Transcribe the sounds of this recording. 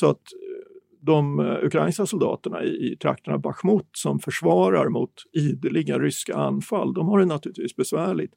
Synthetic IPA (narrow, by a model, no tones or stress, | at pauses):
sɔat̪ | d̪ɔmɵkʰɾajnskasʊld̪ɑ̰ːt̪əɳa̰ɪɪt̪ʰɾa̰kt̪əɳabaɧmʊt̪sɔmfœʂvɑːɾaɾmʊt̪iːd̪əlɪɡaɾʏska̰anːfalːd̪ɔmhaɾjnat̪ʰʉ̟ːlɪt̪viːsbɛsvæːɭɪt̪